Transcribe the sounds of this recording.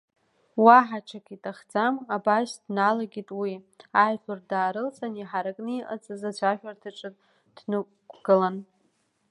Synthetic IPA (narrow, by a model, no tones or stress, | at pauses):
waħat͡ʃʰakʰʼitʼaχd͡zamabaʃdnalaɡʲitʼwi | ajħʷʊrdaːɾɨlt͡sʰaniħaɾakʼnɨiʔa̰t͡sʼɨzat͡ɕʷʰaʃᶣartʰɨʈ͡ʂʼɨtʼ | d̥nɨkʷɡ̥ɨlan